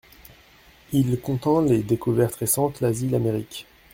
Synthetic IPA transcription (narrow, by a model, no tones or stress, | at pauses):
ilkɔ̃t̪ɑ̃led̪ekuvɛʁt̪ʁesɑ̃t̪lazilameʁikʲ